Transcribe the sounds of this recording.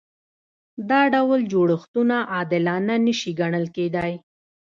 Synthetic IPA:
d̪ɑɖawəld͡ʒoɽəxt̪unaʔɑd̪ɪlɑnanəʃiɡaɳəlked̪aj

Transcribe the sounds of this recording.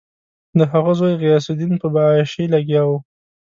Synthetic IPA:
d̪əɦaɣazajɣijɑsɪd̪inpəbɑʃilaɡjɑwu

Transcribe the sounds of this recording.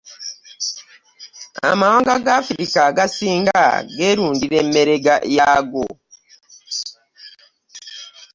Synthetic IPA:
a̰mawaːŋɡaɡafɾikaɡasiːŋɡa̰ɡeɾuːndiɾemeɾeɡa̰ʔjaɡo

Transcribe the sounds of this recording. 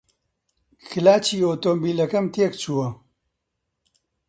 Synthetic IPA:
xɨlaːt͡ʃiːoːt̪oːmbiːlɐkɐmt̪eːkt͡ʃʰuːwɐ

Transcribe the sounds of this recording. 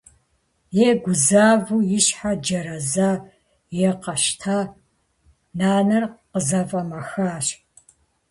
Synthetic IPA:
jeːɡʷʊzaːvujɪɕħad͡ʒɐɾɐzaː | jeːqɐʃtʰaː | naːnɐrqəzɐfʼɐmɐxaːɕ

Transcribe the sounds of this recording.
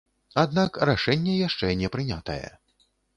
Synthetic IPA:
ad̪nakraʂɛnʲːɛjaʂt͡ʂɛnʲɛpɾɨnʲat̪ɐjɛ̰

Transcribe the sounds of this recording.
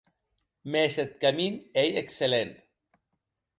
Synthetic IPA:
meset̪̚kaminejekselent̪

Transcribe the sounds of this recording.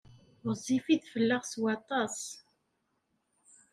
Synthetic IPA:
zˤifiðfəlːəʁswɑt̪ˤɑs

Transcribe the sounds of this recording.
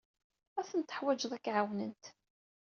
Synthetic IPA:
æθənt̪ə̥ħwæd͡ʒðˤækːʕawnənt̪

